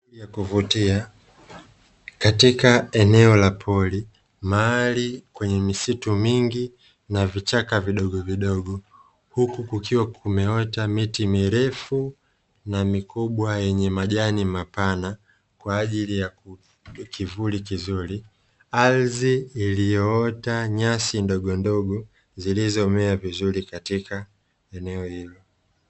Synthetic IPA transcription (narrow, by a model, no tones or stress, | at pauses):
ijakuvutia | katikaɛnɛɔlapʰɔli | malikwɛɲɛmisitumiŋɡi | navit͡ʃakaviɗɔɠɔviɗɔɠɔ | hukukukiwakʰumɛɔtamitimiɾɛfu | namikuɓwajɛɲɛmaʄanimapana | kwaːʄilijaku | kʰivulikizuɾi | alziːlijɔɔtaɲasindɔɠɔndɔɠɔ | zilizɔmɛavizuɾikatika | ɛnɛɔhilɔ